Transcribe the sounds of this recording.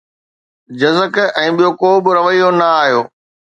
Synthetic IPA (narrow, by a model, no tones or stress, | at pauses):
d͡ʑɐzəkɛ̃ːɓijokoːbɪɾɐʋəijonɐaːɦjoː